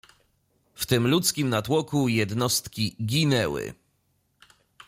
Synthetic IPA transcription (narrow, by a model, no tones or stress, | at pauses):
ft̪ɘmlut̪skʲimnat̪wɔkujɛd̪nɔst̪kʲiɡʲinɛwɘ̰